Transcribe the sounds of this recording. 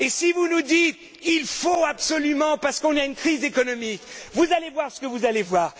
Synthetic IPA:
esivunud̪it̪ | ilfoapsɔlymɑ̃paʁsə̥kɔ̃naynkχizekɔnɔmikvuzalevwaʁsə̥kəvuzalevwaːʁ

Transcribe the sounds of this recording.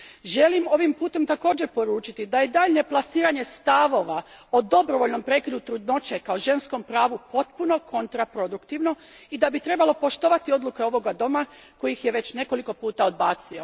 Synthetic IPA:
ʒe̞limo̞ʋimpuːt̪e̞mt̪ako̞ːd͡ʑe̞ɾpo̞ɾuːt͡ʃit̪id̪ajed̪aʎɲe̞plˠasiːɾaɲe̞st̪aʋo̞ʋaod̪o̞bɾoʋo̞ʎno̞mpɾe̞ːkʲid̪ut̪ɾud̪no̞t͡ʃe̞kaoʒe̞nsko̞mpɾaːʋupo̞t̪puno̞ko̞nt̪ɾapɾo̞d̪ukt̪iʋno̞ | id̪abit̪ɾe̞balo̞po̞ʃt̪o̞ʋat̪io̞d̪lˠuke̞o̞ʋo̞ɡad̪o̞ma | ko̞jixje̞ʋe̞t͡ɕne̞ko̞liko̞puːt̪ao̞d̪̚baːt̪sio̞

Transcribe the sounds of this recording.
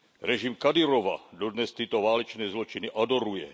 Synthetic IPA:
ɾɛʒimkad̪iɾɔʋa̰d̪ɔd̪ɲɛst̪iːt̪ɔʋaːlɛt͡ʃnɛjzlɔt͡ʃiniʔad̪ɔɾujɛ̰

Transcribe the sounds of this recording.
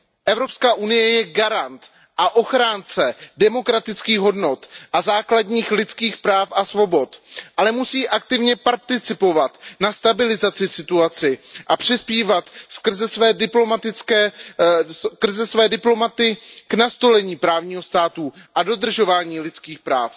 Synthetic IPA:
ʔɛvɾo̞pskaːʔunɪjɛjɛɡaɾant̪ | ʔaʔo̞xɾaːnt͡sɛdɛmo̞kɾat̪ɪt͡skiːɣɦo̞dno̞t̪ʔazaːkladɲiːxlɪt͡skiːxpɾaːfʔasvo̞bo̞t̪ʔalɛmusiːʔakt̪ɪvɲɛpaɾt̪ɪt͡sɪpo̞vat̪nast̪abɪlɪzat͡sɪsɪt̪uat͡sɪʔapr̝̥ɪspiːvat̪sk̩zɛsvɛːdɪplo̞mat̪ɪkɛː | kr̩zɛsvɛːdɪplo̞mat̪ɪɡ̥nast̪o̞lɛɲiːpɾaːvɲiːɦo̞st̪aːt̪uʔado̞d̪r̩ʒo̞vaːɲiːlɪt͡skiːxpɾa̰ːf

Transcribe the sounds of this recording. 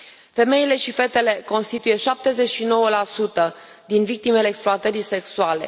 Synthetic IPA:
fe̞me̞ile̞ʃife̞t̪e̞le̞ko̞nst̪it̪uje̞ʃap̚t̪e̞ze̞t͡ʃʃino̞wəlasut̪ə | d̪invik̚t̪ime̞leːksploat̪əɾijse̞ksuale̞̰

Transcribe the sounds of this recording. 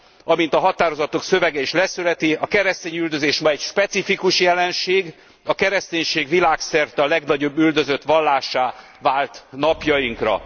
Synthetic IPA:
ɒmint̪ɒɦɒt̪aːɾo̞zɒt̪oksø̞vɛɡɛiʃlɛsylɛt̪iɒkɛɾɛst̪eːɲyld̪ø̞zeːʃmɒɛcʃpɛt̪sifikuʃjɛlɛnʃeːɡ | ɒkɛɾɛst̪eːɲʃeːɡʋilaːksɛrt̪ɛɒlɛɡnɒɟo̞bːyld̪ø̞zø̞t̪ʋɒlːaːʃaː | vaːlt̪nɒpjɒjiŋkrɒ̰

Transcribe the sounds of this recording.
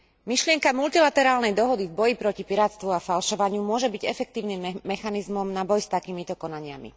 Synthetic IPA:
miʃlɪɛŋkamult̪ilat̪ɛɾaːlnɛjd̪ɔɦɔd̪ivbɔjipɾɔcipiɾaːt͡st̪ʋuafalʃɔʋaɲɪumʊɔʒɛbiɟɛfɛk̚t̪iːʊniːmːɛxanizmɔmnabɔjst̪akiːmit̪ɔkɔnaɲɪa̰mḭ

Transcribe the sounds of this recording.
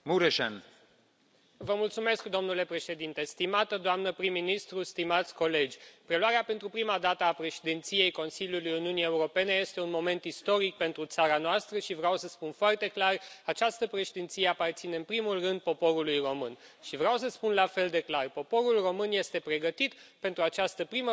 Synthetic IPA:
muɾeʃḛn | vəmult̪sume̞skd̪o̞mnule̞pɾe̞ʃe̞d̪int̪e̞st̪imat̪əd̪oamnəpɾimːinist̪ɾust̪imat̪sʲko̞le̞d͡ʒʲpɾe̞luwaɾeape̞nt̪ɾupɾimad̪at̪əapɾe̞ʃed̪int̪sije̞jko̞nsiljulujuniunije̞uɾo̞pe̞ne̞je̞st̪e̞unmo̞me̞nt̪ist̪o̞ɾik̚pe̞nt̪ɾut̪saɾanoast̪ɾəʃivɾeawsəspunfoart̪e̞klarat͡ʃast̪əpɾe̞ʃed̪int̪sije̞apart̪sine̞ɨnpɾimulrɨnd̪̚po̞po̞ɾulujro̞mɨnʃivɾeawsəspunlafe̞ld̪e̞klarpo̞po̞ɾulro̞mɨnje̞st̪e̞pɾe̞ɡət̪it̪pe̞nt̪ɾuat͡ʃast̪əpɾimə

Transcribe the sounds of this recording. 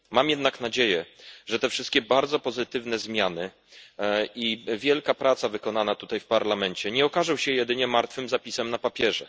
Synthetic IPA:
mamjɛd̪naknad͡ʑejɛʐɛt̪ɛfʂɘst̪̚kʲɛbaɾd̪zɔpɔzɘt̪ɘvnɛzmʲjanɘ | ivʲjɛlkapɾʔat̪savɘkɔnanat̪ut̪ajfpaɾlamɛɲt͡ɕɛɲɛɔkaʐɔw̃ɕɛjɛd̪ɘɲɛmaɾt̪fɘmzapʲisɛmnapapʲjɛʐɛ̰

